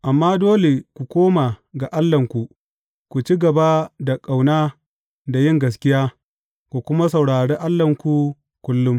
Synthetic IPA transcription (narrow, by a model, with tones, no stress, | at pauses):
ʔa˨mːaː˦doː˦le˨kʷu˨kʷoː˦maː˨ɡa˨ʔa˦lːɐ˨ŋkʷu˨ʔ | kʷu˨t͡ʃi˦ɡɐ˨ba˦da˨kʼa˨wnaː˦ | da˨jɪ˦ŋɡɐ˨skʲɪ˦jaː˦ | kʷu˨kʷʊ˦ma˦sɐ˨wɽaː˨ɽeː˦ʔa˦lːɐ˨ŋkʷu˦ | kʷʊ˦lːʊ˦m